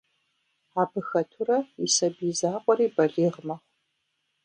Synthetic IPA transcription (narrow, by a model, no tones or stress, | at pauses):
aːbɨxɐtʰurɐisɐbiːzaːqʷʼɔɾiːbɐɮiːʁmɐχʷ